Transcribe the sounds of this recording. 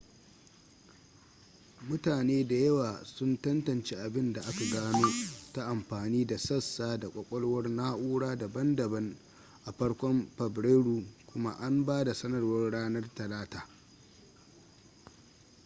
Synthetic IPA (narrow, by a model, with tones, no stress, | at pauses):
mʊ˦taː˨neː˦da˨jɐ˦waː˨sʊ˦ntɐ˦ntɐ˨nt͡ʃeː˦ʔa˨bɪ˦nda˨ʔa˦ka˨ɡaː˦noː˦ta˦ʔa˨mɸaː˨niː˦da˨sɐ˦˨sːaː˦da˨kʷʼɐ˦kʷʼɔ˦lwɐ˦rnaː˦ʔuː˦ɽaː˦da˨bɐ˦ndɐ˨bɐ˦n | ʔa˨ɸɐ˦ɽkʷɔ˦mɸɐ˨bɾeː˦ɽuː˨kʷʊ˦ma̰˦ʔa˦mbaː˦da˨sɐ˦nɐ˨rwɐ˦rɽaː˦nɐ˦rtɐ˨laː˦taː˨